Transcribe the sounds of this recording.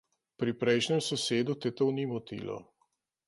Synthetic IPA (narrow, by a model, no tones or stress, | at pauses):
pɾipɾɛjʃnɛmsɔseːd̪ut̪ɛt̪ownimɔt̪ḭːlɔ̰